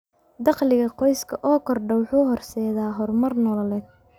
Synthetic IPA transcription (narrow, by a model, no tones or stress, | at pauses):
d̪ɑqlɪɣɐqɔjskʰɐʔɔːkʰɔrɖɔwħuːɦɔrsɛːðaːɦɔrmɐrnɔːlɐlɛːd̪̚